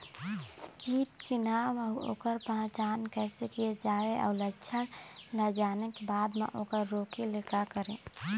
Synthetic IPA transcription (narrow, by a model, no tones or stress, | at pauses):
kiːʈkenamao̰kəɾpãt͡ʃankəɪsekijed͡ʒaeʔa̰ʊlətːt͡ʃʰənləd͡ʒanekebad̪mḛʔokəɾːokelekakəɾẽ